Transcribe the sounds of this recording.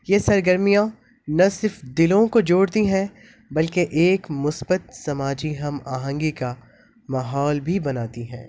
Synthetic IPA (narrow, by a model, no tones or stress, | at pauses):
jeːsɐɾɡəɾmijã | nɐsɪɾfd̪ɪlõkod͡ʒoːɽt̪iɦɛ̃ | bɐlkeʔeːkmʊsbət̪sɐmaːd͡ʒiɦɐma̰ːɦə̃ŋɡika | maɦɔːlbʱibɐnaːt̪iɦɛ̰̃ː